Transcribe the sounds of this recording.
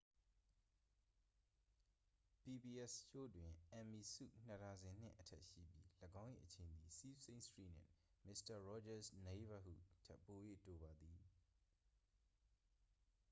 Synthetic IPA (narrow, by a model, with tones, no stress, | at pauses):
pi˨bi˨ʔɛ˦sʃo̰˦˨dwɪ̃˨ʔɛ̃˨mi˨sṵ˦˨n̥ə˨ta˨zɪ̃˨n̥ɪ̰̃˦˨ʔətʰɛ˦ʔʃḭ˦˨bji˦lə˨ɡã˦ʊ̃jʔḭ˨ʔət͡ɕʰẽ˨nd̪ði˨si˦sẽ˦stɹḭ˦˨n̥ɪ̰̃˦˨mɪ˦˨sta˨ɹɔ˦d͡ʒa˦sne˦ba˦hṵ˦˨tʰɛ˦pːo˨jḛ˦˨to˨ba˨d̪i˨